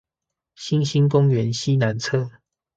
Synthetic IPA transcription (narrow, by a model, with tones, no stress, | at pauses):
ɕi˦nɕi˥˦nkʊ˦ŋɥɛ˨˦nɕi˦na˨˦nt͡sʰɤ˥˨